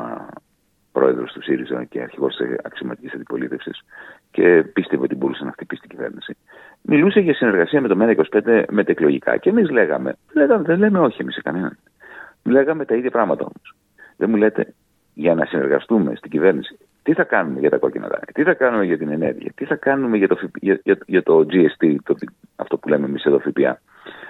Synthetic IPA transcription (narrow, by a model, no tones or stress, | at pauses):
pɾo̞̰e̞ðɾo̞st̪usiɾizɐ̰ce̞̰ɐ̰ɾçiɣo̞sɐ̰ksiomɐt̪icisɐnd̪ipo̞lit̪e̞fsḭs | ce̞pist̪evoo̞t̪ibo̞ɾusenɐft̪ipist̪iɟive̞̰ɾnisi | mʔiluse̞ʝɐsine̞ɾɣɐsiɐme̞t̪o̞menɐiko̞si̥pe̞nd̪e̞met̪ɐeklo̞ʝikɐ̰cemizle̞ɣɐ̰me̞̰ðeleɣɐmeðenle̞meo̞çiemisekɐnenɐ̰n | le̞ɣɐme̞t̪ɐiðʝɐpɾɐɣmɐt̪ɐo̞̰mos | ðemule̞t̪e̞̰ | ʝɐnɐsine̞ɾɣɐ̰st̪ume̞̰st̪iɟive̞ɾnisi̥ | t̪iθɐkɐnume̞ʝɐt̪ɐko̞̰cinɐ̰t̪ɐ̰t̪iθɐkɐnume̞ʝɐt̪ine̞ne̞̰ɾʝḭɐ̰t̪iθɐkɐnume̞ʝɐt̪ofipiʝʝɐt̪o̞d͡ziest̪it̪ot̪i | ɐ̰ft̪o̞pule̞meːmiseðo̞fipiɐ̰